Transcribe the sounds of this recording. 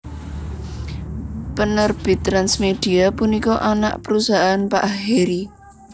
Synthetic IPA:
pənərb̥i̤t̪ɾansmed̥iapunikɔʔana̰ʔpəɾusaɦaːnpa̰ʔaɦeɾi

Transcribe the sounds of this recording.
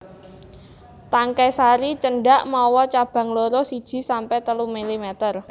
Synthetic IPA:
t̪aŋkɛjsaɾit͡ʃəɳɖaʔmawɔt͡ʃab̥ä̤ŋloɾɔsid̥ʒ̥i̤sampɛt̪əlumilimɛt̪ər

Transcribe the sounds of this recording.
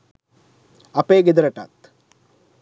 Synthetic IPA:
ɐpeːɡed̪ɐɾɐʈɐ̰t̪

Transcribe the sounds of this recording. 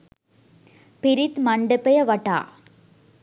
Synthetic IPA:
pɪɾɪt̪mɐɳɖɯpːɐjɐʋɐʈːa̰ː

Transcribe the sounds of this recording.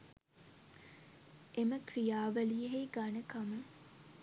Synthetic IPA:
eməkrijaːʋæliɦeɡanəkamə

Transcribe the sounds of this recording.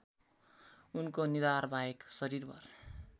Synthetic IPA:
unkonid̪arbʱaeksʌɾiɾbʌ̰r

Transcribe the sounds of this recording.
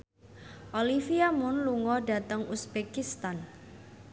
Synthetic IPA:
ʔolifiamʊnluŋɔɖa̤t̪əŋusb̥ekist̪an

